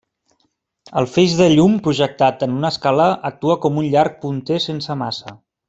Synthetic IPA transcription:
əlˠfeʒðəʎumpɾuʒək̚t̪at̪ənunəskaləʔək̚t̪uəkɔmunʎaɾk̚punt̪esensəmasə

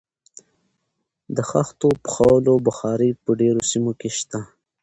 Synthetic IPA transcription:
d̪əxaxt̪opə̥xawlobəxɑːɾipəɖeɾosimokeʃt̪a

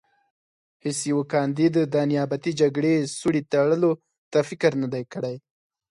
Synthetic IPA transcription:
hɪsjawakɑnd̪id̪ːəd̪ːɑnjɑbat̪id͡ʒaɡɽesuɽit̪aɽəlo | t̪afɪkəɾnad̪ajkəɽaj

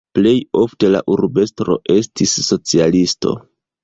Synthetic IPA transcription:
ple̞jo̞fte̞la̰ʔuɾbe̞stɾo̞̰ʔe̞stisːo̞t͡sialisto̞̰

